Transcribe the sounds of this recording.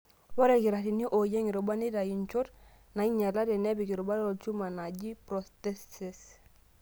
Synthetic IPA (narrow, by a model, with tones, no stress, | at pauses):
wɔ˦ɾeki˨ɾa˨ti˨ni˦ʔo˨je˦ŋi˨ɾo˨ba˦ni˦da˨ji˨nt͡ʃo˦ɾ | na˨i˦ɲa˨la˦dɛ˨ne˦bi˨ki˨ɾo˨ba˦ɾo˨t͡ʃu˦ma˨na˨ɟi˦pɾoste˦ses